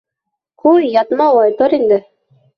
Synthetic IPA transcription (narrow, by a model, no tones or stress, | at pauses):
qujjɑt̪mɑwˠɑjt̪oɾind̪ɘ